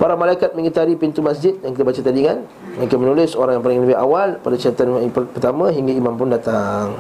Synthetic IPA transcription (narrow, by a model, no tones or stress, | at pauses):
paɾamalaikat̪̚mə̃ŋit̪aɾipint̪umasd͡ʒɪt̪̚jaŋkit̪abat͡ʃat̪adiŋan | makamənulɪsoɾaŋjaŋpalɪŋləbɪɦawalpadat͡ʃiat̪anpəpərt̪amãɦiŋɡaimãmpʊndat̪aŋ